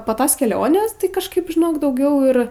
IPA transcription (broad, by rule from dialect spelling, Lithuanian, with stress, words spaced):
poː ˈtoːs kʲɛˈlʲoːnʲeːs tɐɪ kɐʃˈkɐɪp ʒʲɪˈnoːk dɐʊˈɡʲɛʊ ɪr